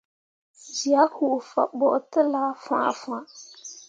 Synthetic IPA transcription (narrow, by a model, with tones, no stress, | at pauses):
d͡ʒi˨a˦hu˨ʔfa̰˨bɔ˨ʔtɨ˦laː˦fãː˦˨fã˦